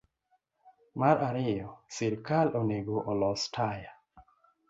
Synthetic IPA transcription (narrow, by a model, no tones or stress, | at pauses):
maɾʔaɾijɔsiɾkaloneɡuʔɔlɔstʰaja